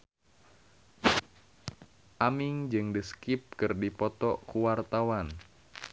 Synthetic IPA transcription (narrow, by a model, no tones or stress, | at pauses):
ʔamiŋd͡ʒɨŋdiskip̚kɨrdipɔt̪ɔkuwart̪awan